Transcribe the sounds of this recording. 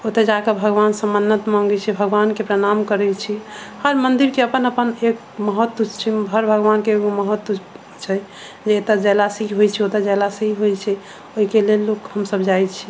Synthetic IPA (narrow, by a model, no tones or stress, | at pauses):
ot̪ed͡ʒakəbʱəɡʋansə̃mənːət̪mãŋɡɛt͡ʃʰɛbʱəɡʋankepɾəñamkəɾɛt͡ʃʰihəɾmənd̪iɾkeəpənəpənek | məɦət̪ːut͡ʃt͡ʃʰiɦəɾbʱəɡʋankeoməɦət̪ːu | t͡ʃʰɛ | d͡ʒeet̪ad͡ʒɛlasiɦiɦojt͡ʃʰɛot̪ad͡ʒɛlasiɦiɦojt͡ʃʰɛ | oɦikelelːokhəmsəbd͡ʒajt͡ʃʰi